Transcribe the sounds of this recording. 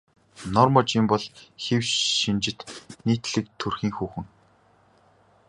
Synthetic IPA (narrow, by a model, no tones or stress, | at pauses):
nɔrmɔt͡ɕimpɔɮxewʃint͡ɕɪ̆t̪niːt̪ɮɘ̆k̚t̪ʰːɵrxiːŋxuːxɘ̆ŋ